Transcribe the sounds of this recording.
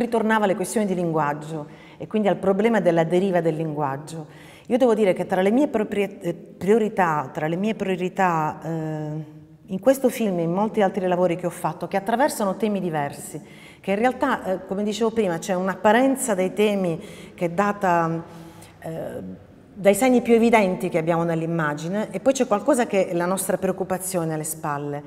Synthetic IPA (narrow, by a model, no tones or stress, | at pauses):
rit̪ornaːvalːekwest̪joːnid̪iliŋɡwad͡ʒːo | ekːwind̪ialpɾoblɛːmad̪elːad̪eɾiːvad̪elːiŋɡwad͡ʒːo | iːod̪ɛːvod̪iːɾeket̪ːɾalːemiːepoɾ | pɾioɾit̪at̪ːɾalemiːepɾioɾit̪a | iŋkwest̪ofilmmːolt̪ialt̪ɾilavoːɾik̟eɔfːat̪ːokeat̪ːɾavɛrsanot̪ɛːmid̪ivɛrsi | keinrealt̪aʔkomed̪it͡ʃeːvopɾiːmat͡ʃɛunapːaɾɛnt̪sad̪ejt̪ɛːmikeɛd̪ːaːt̪a | d̪ajsɛɲːipjuevid̪ɛnt̪ik̟eabːjaːmonelːimːaːd͡ʒineʔːpːɔjt͡ʃɛkwalkɔːzakeʔɛlanɔst̪ɾapɾeokːupat̪sːjoːnealːespalːe